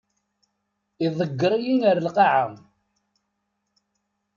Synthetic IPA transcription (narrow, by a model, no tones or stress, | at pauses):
iðˤəɡːɾˤijiŋəɾəlqɑʕam